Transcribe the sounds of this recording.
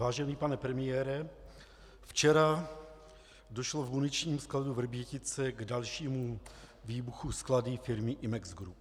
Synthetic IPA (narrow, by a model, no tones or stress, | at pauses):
vaːʒɛniːpanɛpɾɛmɪjɛːɾɛ | ft͡ʃɛɾa | doʃloɡmunɪt͡ʃɲiːmskladuvr̩bjɛcɪt͡sɛɡdalʃiːmu | viːbuxuskladɪfɪɾmɪʔɪmɛɡzɡɾup